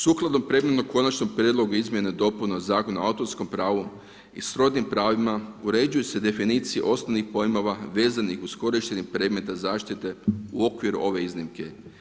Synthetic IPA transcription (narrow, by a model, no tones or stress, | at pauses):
suklˠad̪o̞mpɾed̪met̪noko̞nat͡ʃnompɾjed̪lo̞ɡuizmʲje̞ned̪o̞punozaːko̞nua̰ut̪o̞ɾsko̞mpɾaːʋu | ḭsɾo̞d̪nimpɾaːʋimauɾe̞d͡ʒujuse̞d̪e̞finiːt̪sijḛʔo̞snoʋnixpo̞jimoʋaʋe̞ːzanixusko̞ɾiʃt̪eɲempɾe̞ːd̪me̞t̪azaːʃt̪it̪e̞uo̞kʋiɾṵʔo̞ʋe̞iznimke